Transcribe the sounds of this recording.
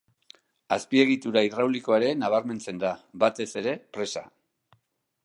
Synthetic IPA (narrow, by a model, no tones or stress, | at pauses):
aspie̞ɣ̞it̪uɾairawliko̞aɾe̞naβ̞aɾme̞nt͡se̞nd̪abat̪e̞se̞ɾe̞pɾe̞sa̰